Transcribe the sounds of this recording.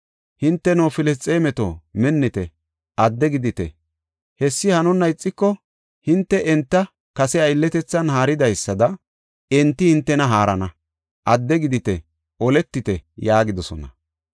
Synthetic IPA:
hɪnt̪ːɛnoːfɪlɛst͡sʼːeːmɛt̪o̰mɛnːɪt̪ɛ̰ | ʔɐd̪ːɛɡɪd̪ɪt̪ɛ̰ | hɛsːɪhɐnʊnːɐɪt͡sʼːɪkːɔ | hɪnt̪ːɛɛnt̪ːɐ | kɐsɛɐjlːɛt̪ɛt͡sːɐnhaːɾɪd̪ɐjsːɐd̪ɐ | ɛnt̪ːɪhɪnt̪ːɛnɐɦaːɾɐnɐ | ʔɐd̪ːɛɡɪd̪ɪt̪ɛ | ʔɔlɛt̪ːɪt̪ɛjaːɡɪd̪ɔsɔ̰nɐ

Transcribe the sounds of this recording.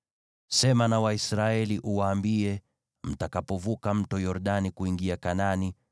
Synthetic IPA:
sɛmanawaisɾaɛliʔuwaːmbiɛ | m̩takapɔvukam̩tɔjɔɾɗanikuiŋɡiakanani

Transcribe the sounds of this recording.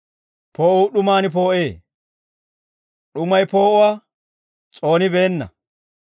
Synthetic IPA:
pʰoːʔuːɗʊmaːnɪp̬o̞ːʔeː | ɗʊmɐjpo̞ːʔʊwaː | t͡sʼo̞ːnɪbe̞ːnːɐ̰

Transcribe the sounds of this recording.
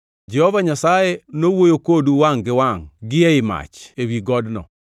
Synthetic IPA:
d͡ʒɛhovaɲasajenowojokoduwaŋɡɪwaŋɡɪeɪma̰t͡ʃewiɡɔdnɔ̰

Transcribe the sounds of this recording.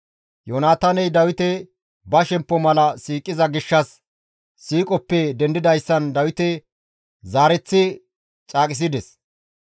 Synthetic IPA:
joːnaːt̪aːnɛjd̪ɐwɪt̪ɛ | bɐʃɛmpːɔmɐlɐsiːkʼːɪzɐɡɪʃːɐsː | iːkʼɔpːɛd̪ɛnd̪ɪd̪ɐjsːɐnd̪ɐwɪt̪ɛ | zaːɾɛt͡sːɪ | t͡ʃʼaːkʼɪs̬ɪd̪ɛs

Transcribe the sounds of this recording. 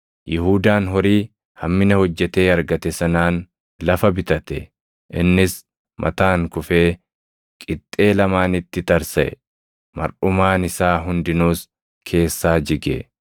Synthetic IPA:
jɪɦuːd̪aːnɦɔɾiː | hɐmːɪnɐhɔd͡ʒːɛt̪eːɐɾɡɐt̪ɛsɐnaːn | lɐfɐbɪt̪ɐt̪ɛ | ʔɪnːɪs | mʔɐ̰t̪aːŋkʊfeː | kʼɪt̪ʼːe̞ːlɐmaːnɪt̪ːɪt̪ɐɾsɐʔɛ̰ | mɐ̰ɾʔʊmaːnɪsaːɦʊnd̪ɪnuːs | kʰe̞ːsːaːd͡ʒɪɡḛ

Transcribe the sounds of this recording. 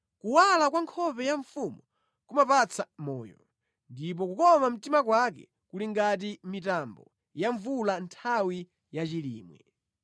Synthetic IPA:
kuwalakwaŋkʰɔpɛjaɱfumu | kumapat͡sʰamɔ̰ːjɔ̰ | ndip̬ɔkukɔmam̩timak̬wak̬ɛ̰ | kuliŋɡat̬imitambɔ | jaɱvulantʰawi | jat͡ʃilḭːmwɛ̰

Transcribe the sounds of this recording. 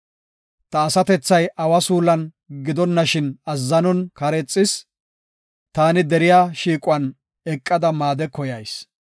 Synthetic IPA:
t̪ɐːsɐt̪ɛt͡sːɐjʔɐwɐsuːlɐn | ɡɪd̪ɔnːɐʃɪnɐzːɐnɔnkɐɾɛt͡sʼːɪs | t̪aːnɪd̪ɛɾɪjaːʃiːkʼʊwɐn | ɛkʼːɐd̪ɐmaːd̪ɛkɔjɐjs

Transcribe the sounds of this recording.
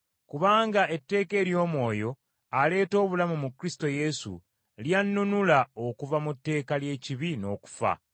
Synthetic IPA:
kuβaːŋɡae̞tːe̞ːke̞ːɾjo̞ːmwo̞ːjo̞ | ale̞ːto̞ːβulamumukːɾisi̥to̞je̞sṵ | ljanːunulao̞kuvamutːe̞ːkalje̞ːciβino̞ːku̥fa̰

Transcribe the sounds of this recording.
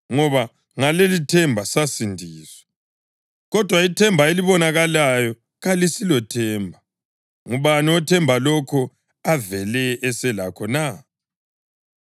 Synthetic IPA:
ŋɔβa | ŋalelitʰɛmbʱasasindʱiːswɛ̥ | ɣɔd̥ʱwaitʰɛmbʱaeliβɔnaɣalajɔ | ɣalisilɔtʰɛːmbʱa | ŋuβaniɔtʰɛmbʱalɔkʰɔ | avɛlɛɛsɛlakʰɔna

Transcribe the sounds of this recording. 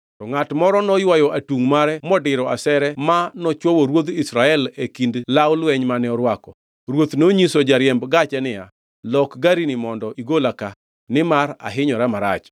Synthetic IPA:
tɔŋatmɔɾɔnɔjwajɔʔatuŋmaɾɛmɔdɪɾɔasɛɾɛmanɔt͡ʃwowoɾwod̪isɾaɛlekindlawʊlwɛɲmanɛɔɾwakɔ | ɾwot̪noɲisod͡ʒaɾjɛmbɡat͡ʃɛnɪja̰ | lɔkɡaɾinimɔndɔʔiɡolaka | nɪmaɾa̰ɦɪɲɔɾamaɾa̰t͡ʃ

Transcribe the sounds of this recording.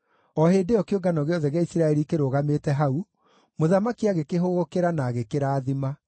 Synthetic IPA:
ɔheːdeɔkeoɡanɔɣeɔðɛɣeaisiɾaɛɾikeɾoːɣametɛɦau | moðamakiaɣekeɦoɣokeɾanaːɣekeɾaːðima

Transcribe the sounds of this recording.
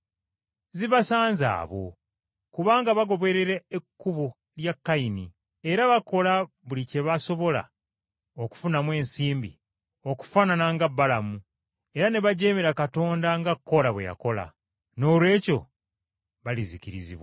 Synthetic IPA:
ziβasaːnza̰ːβo̞̰ | kuβaːŋɡaβaɡo̞βe̞ɾeɾeːkːuβo | ljakːainḭ | e̞ɾaβako̞la | βulice̞βaso̞βo̞la̰ | oku̥funamwe̞ːnsiːmbḭ | o̞ku̥faːnanaŋɡabːalamu | e̞ɾane̞βaɟe̞ːmeɾakato̞ːndaŋɡakːo̞laβweja̰ko̞la̰ | no̞ːlwe̞ːco̞ | βalizikiɾizḭβwa

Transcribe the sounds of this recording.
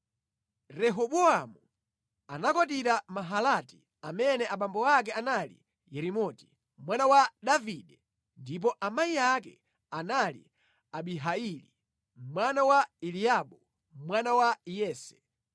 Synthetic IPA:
ɾɛɦɔɓɔamu | anakɔt̬iɾamaɦalati̥ | amɛnɛʔaɓambɔak̬ɛanalḭ | jɛɾimɔti̥ | mwanawaɗaviɗɛ | ndip̬ɔʔamaiakɛ̰ | analḭ | aɓiɦailḭ | mwanawailiaɓu | mwanawajɛːsɛ̥

